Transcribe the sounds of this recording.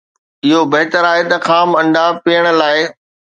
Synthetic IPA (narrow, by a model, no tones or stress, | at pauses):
ɪɦobɐɦɪt̪əɾaːɦet̪ɐxaːmɐ̃ɳɖapiːəɽ̃̆laːɪ